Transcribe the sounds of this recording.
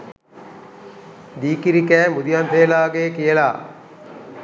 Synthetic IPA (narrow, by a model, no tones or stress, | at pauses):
d̪iːkiɾikɛːmud̪ijɐnt̪eːlaːɡeːkijela̰ː